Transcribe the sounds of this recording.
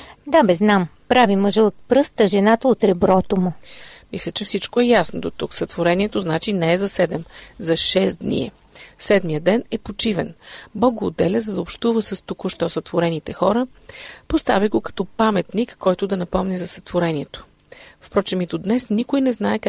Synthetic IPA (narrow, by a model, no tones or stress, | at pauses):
d̪abɛznam | pɾaviməʒɛot̪̚pɾɤst̪əʒɛnat̪əot̪ɾɛbɾɔt̪omʊmislʲət͡ʃɛfsit͡ʃkoɛjasnod̪ot̪uksɐt̪voɾɛniɛt̪oznat͡ʃinɛɛzɐsɛd̪ɛmzɐʃɛsd̪nḭɛ̰ | sɛd̪mijəd̪ɛnɛpot͡ʃivɛnbɔɡ̚ɡoːd̪ːɛlʲəzɐd̪ɐopʃt̪uvəsəst̪ukʊʃt̪ɔsət̪voɾɛnit̪ɛxɔɾə | post̪aviɡokɐ̥t̪ɔpamɛt̪nikːɔjt̪ʊd̪ɐnɐpɔmnɛzɐsɐt̪voɾɛniɛt̪o̥ | fpɾɔt͡ʃɛmit̪od̪nɛsnikʊjnɛznaɛk